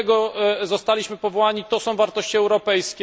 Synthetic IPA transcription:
ɡɔzɔst̪alʲiɕmɘpɔvɔwaɲit̪ɔsɔ̃w̃vaɾt̪ɔɕt͡ɕiɛwɾɔpɛjskʲ

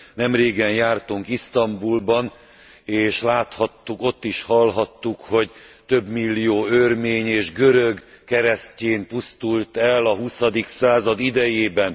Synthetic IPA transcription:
nɛmreːɡɛnjaːrt̪uŋkist̪ɒmbulbɒn | eːʃlaːt̪hɒt̪ːuko̞t̪ːiʃhɒlɦɒt̪ːukho̞ɟt̪øbmilːijoːørmeːɲeːʒɡøɾøɡ | kɛɾɛsceːmpust̪ult̪ɛlːɒɦusɒd̪iksaːzɒd̪id̪ɛjeːbɛn

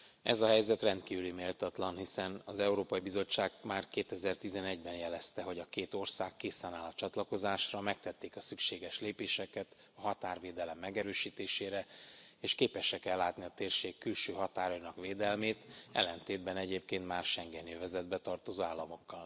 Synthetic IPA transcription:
ɛ̰zɒɦɛjzɛt̪rɛnt̪kiːvylimeːlt̪ɒt̪lɒnɦisɛnɒzɛuɾoːpɒibizo̞t͡ʃːaːɡmaːrkeːt̪ɛzɛrt̪izɛnɛɟbɛnjɛlɛst̪ɛɦo̞ɟɒkeːt̪o̞rsaːkːeːsaːnaːlɒt͡ʃɒt̪lɒko̞zaːʃrɒmɛk̚t̪ɛt̪ːeːkɒsykʃeːɡɛʃleːpeːʃɛkɛt̪ | ɒɦɒt̪aːrveːd̪ɛlɛmːɛɡɛɾøːʃiːt̪eːʃeːɾɛ | eːʃkeːpɛʃɛkɛlːaːt̪niɒt̪eːrʃeːkːylʃøːɦɒt̪aːɾojnɒkʋeːd̪ɛlmeːt̪ɛ̰lːɛnt̪eːd̪̚bɛnɛɟeːp̚keːnt̪maːrʃɛŋɡɛnøvɛzɛd̪bɛt̪ɒrt̪o̞zoːaːlːɒmo̞kːɒl

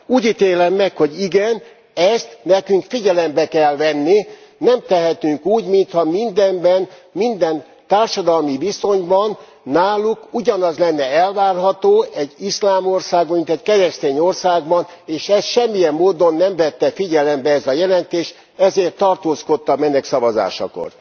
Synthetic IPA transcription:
uːɟit̪eːlɛmːɛkho̞ɟiɡɛn | ɛst̪nɛkyŋkfiɟɛlɛmbɛkɛlvɛnːi | nɛmt̪ɛɦɛt̪yŋkuːɟmint̪hɒmind̪ɛmbɛnmind̪ɛn | t̪aːrʃɒd̪ɒlmibiso̞ɲbɒnː | aːlukuɟɒnɒzlɛnːɛɛlvaːrɦɒt̪oːɛɟislaːmo̞rsaːɡint̪ɛckɛɾɛst̪eːɲorsaːɡ̚bɒneːʃɛsʃɛmːijɛmːoːd̪o̞nːɛɱvɛt̪ːɛfiɟɛlɛmbɛɛzɒjɛlɛnt̪eːʃ | ɛzeːrt̪ːɒrt̪oːsko̞t̪ːɒmɛnɛksɒvɒza̰ːʃɒ̰ko̰r

